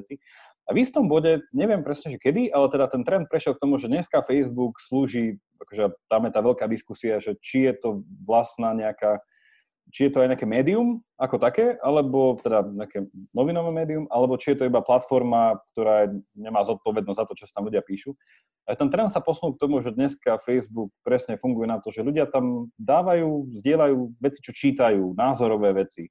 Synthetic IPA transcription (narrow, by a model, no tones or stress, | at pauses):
ɛt͡si | aʋist̪ɔmbɔɟɛɲɛʋɪɛmpɾɛsɲɛʒɛkɛd̪iʔalɛt̪ɛd̪at̪ɛnt̪ɾɛnt̪̚pɾɛʃjɛlk̚t̪ɔmuʒɛɲɛskafɛjzbuksluːʒiː | akɔʒɛt̪amjɛt̪aːʋɛʎkaːd̪iskusiaʒɛt͡ʃijɛt̪ɔʋlasnaːɲɛakaː | t͡ʃijɛt̪ɔajɲɛakɛːmɛːd̪ium | akɔt̪akɛːʔalɛbɔt̪ɛd̪aɲɛakɛːnɔʋinɔʋɛːmɛːd̪iumalɛbɔt͡ʃijɛt̪ɔibaplat̪fɔɾmak̚t̪ɔɾaːɲɛmaːzɔt̪̚pɔʋɛd̪nzzat̪ɔt͡ʃɔsat̪amluɟɪapiːʃu | aʒɛt̪ɛnt̪ɾɛnt̪sapɔsunuːkt̪ɔmuʒɛd̪ɲɛskafɛjzbuk̚pɾɛsɲɛfuŋɡujɛnat̪ɔʒɛluɟɪat̪amd̪aːʋajuːzɟɪɛlajuːʋɛt͡si̥t͡ʃɔt͡ʃiːt̪ajuːnaːzɔɾɔʋɛːʋɛt͡si